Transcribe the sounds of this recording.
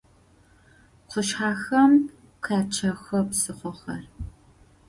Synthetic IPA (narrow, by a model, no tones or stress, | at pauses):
qʷʊʃħaːxɐm | kʰaːt͡ʃʰɐxɐpsɨχʷɔxɐ̰r